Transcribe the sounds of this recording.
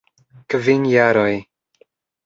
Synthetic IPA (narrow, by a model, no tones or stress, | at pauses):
kvinjaɾoj